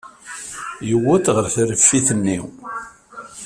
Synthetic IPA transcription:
jəwːæt̪ʁəɾθɾəfːiθənːḭw

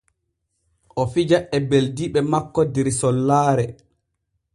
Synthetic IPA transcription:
ʔɔfid͡ʒaʔɛbeldiɓɛmakːɔdiɾsɔlːaːɾɛ

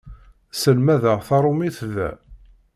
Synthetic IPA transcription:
səlmæðəʁθɑɾˤomiθðæ̰

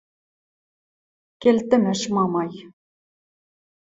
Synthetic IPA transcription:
kʲelt̪ɘ̆mɘ̆ʃmɑmɑj

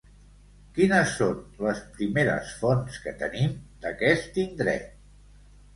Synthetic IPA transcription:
kinəsːonləspɾimeɾə̰sfonskət̪ə̰nimd̪əkɛst̪ind̪ɾɛ̰t̪̚

